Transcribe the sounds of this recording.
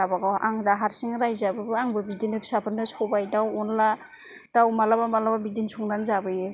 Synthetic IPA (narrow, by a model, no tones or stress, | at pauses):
abaɡawʔaŋdaɦaɾsiŋɾajzabɯbɯaŋbɯbidinɯksapʰɯnɯsɔbajdawɔnla | d̥awmalabamalababidinsɔŋnanzabɯje